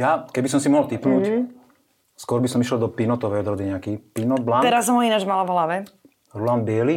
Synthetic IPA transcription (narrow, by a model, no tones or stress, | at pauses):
jakɛbis̬ɔmsimɔɦɔlt̪ipnuːc | skɔɾbisɔmiʃɛld̪ɔpinɔt̪ɔʋɛjɔd̪ɾɔd̪iɲɛakiːpinɔd̪̚blaːt̪ɛɾasːɔmɦɔinad͡ʒmalavɦlaʋɛ | ɾulaːnbɪɛli